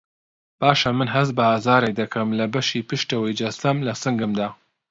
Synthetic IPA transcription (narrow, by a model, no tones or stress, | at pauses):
b̥aːʃɐmɨnɦɐs̬̚bɐhazaːɾɛjd̪ɐkʰɐmlɐbɐʃiːpɨʃt̪ɐwəjd͡ʒɐsɐmlɐsɨŋɡɨmd̪aː